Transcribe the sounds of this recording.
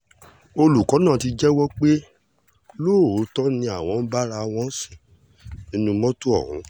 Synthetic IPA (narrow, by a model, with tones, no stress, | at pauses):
o˧lu˨kɔ̃˨˦nãː˦˨ti˧d͡ʒɛ˦wɔ˦k͡pe˦ | loː˦˨˦tɔ˦nĩ˧a˨w̃ɔ̃˨˦n̩˦ba˦ɾa˧w̃ɔ̃˦si̥˦˨ | nĩ˦nũ˧mɔ̃˦tu˦ɔ̰˦˨ṵ̃˨˦